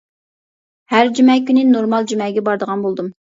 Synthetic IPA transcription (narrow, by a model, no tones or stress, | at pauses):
hæɾd͡ʒymɛkʲynɪnoɾmɑlˠd͡ʒymɛɡʲɛbɑɾd̪əʁɑnbolˠd̪um